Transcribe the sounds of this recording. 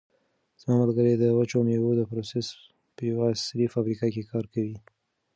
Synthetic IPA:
z̥mɑmalɡəɾed̪əwat͡ʃomewod̪əpɾoses | pəjawasɾifamɾikɑkekɑɾkawi

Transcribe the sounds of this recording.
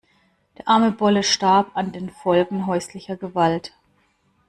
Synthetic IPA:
d̥eːɐʔaɐməbɔləʃtaɐpandeːnfɔlɡŋ̩ɦɔʏslɪçɐɡəvalt

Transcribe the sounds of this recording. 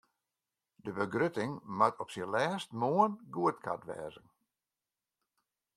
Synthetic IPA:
dəbəɡrøtɪŋmatʰɔpsilɛːstmoənɡuətkʰa̰tʋɛ̰ːzən

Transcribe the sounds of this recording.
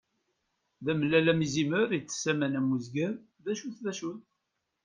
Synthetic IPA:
ðæməlːælæmiziməɾit͡sːə̥sːæmænæmuzɡæɾ | ðæʃuθðæʃuθ

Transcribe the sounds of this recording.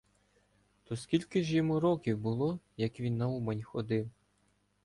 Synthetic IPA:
t̪ɔskʲilʲkɪʒjimɔɾɔkʲiwbʊlˠɔ | jɐkʋʲinːɐumɐnʲxɔd̪ɪw

